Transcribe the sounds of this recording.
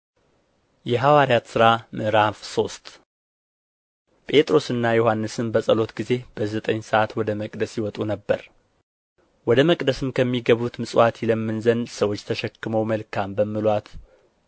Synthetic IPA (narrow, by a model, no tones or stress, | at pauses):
jɛɦawaɾjat̪sɨɾamɨɾafso̞st̪ʼ | pʼe̞t̪ʼɾo̞sɨnːajohanːɨsɨmbəsʼəlo̞t̪ɡize̞b̥əzət̪ʼəɲsəʔat̪wɔd̪əməkʼd̪əsjɪwɔt̪ʼunəbːə̰ɾ | wɔd̪əməkʼd̪əsɨmkʰəmːiɡəβut̪mɨsʼwʔat̪ʰiləmːɨnzənsəwo̞t͡ʃːt̪ʰəʃɛkːɨməwməlkʰambəmːɨlwat̪